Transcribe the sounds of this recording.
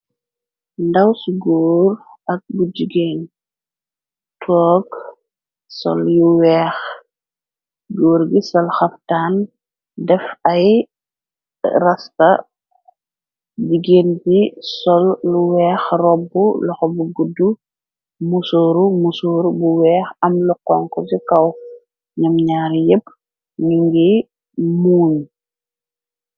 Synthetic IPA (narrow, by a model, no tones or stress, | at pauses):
ndɐwsɡuːɾ | ɐk̚bud͡ʒiɡeːn | tʰɔːɡ | sɔ̰ljuwɛːx | ɡuːɾɡisɐlxɐftaːn | dɛfɐj | rɐstɐ̰ | diɡeːntisɔlːuwɛːxrɔbːulɐxɔbuɡudːu | musoːɾumusoːɾubuwɛːxɐmluqɔŋkɔsikɐw | ɲɐmɲaːɾjəp̚ː | niŋɡi | muːn